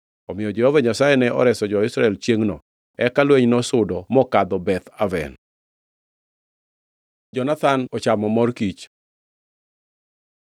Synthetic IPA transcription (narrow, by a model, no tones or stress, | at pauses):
ɔmɪjɔd͡ʒɛhɔvaɲasajɛnɛʔɔ̰ɾɛsɔd͡ʒɔɪsɾaɛlt͡ʃjeŋnɔ | ɛkalweɲnɔsʊdɔmɔkad̪ɔbɛt̪avɛ̰n | d͡ʒɔnat̪anɔt͡ʃamɔmɔrkit͡ʃ